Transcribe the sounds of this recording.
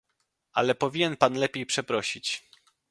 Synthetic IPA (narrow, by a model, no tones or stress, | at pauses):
a̰lɛpɔvʲiɲɛnpanlɛpʲjejpʂɛpɾɔɕit͡ɕ